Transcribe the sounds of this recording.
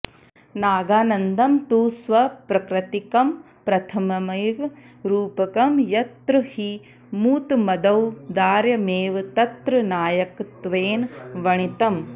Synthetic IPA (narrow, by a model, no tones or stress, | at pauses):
naːɡaːnɐnd̪ɐmt̪uːsʋɐpɾɐkɾɐt̪ikɐm | pɾɐt̪ʰɐmɐmɐjʋ | ɾuːpɐkɐmjɐt̪ɾɨhi | muːt̪mɐd̪ɐwd̪aːɾjɐmeːʋt̪ɐt̪ɾɨnaːjɐkt̪ʋeːnʋɐɳit̪ɐm